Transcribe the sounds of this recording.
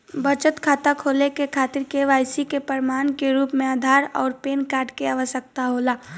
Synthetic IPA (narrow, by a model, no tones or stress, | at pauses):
bət͡ʃət̪kʰaːt̪akʰoːlekekʰaːt̪ɪɾkeʋaːjsikepəɾɪmaːnkeɾuːpmẽaːd̪ʱaːɾɔːɾpeːnkaːɾʈkeaːʋəʃjək̚t̪aɦoːlaː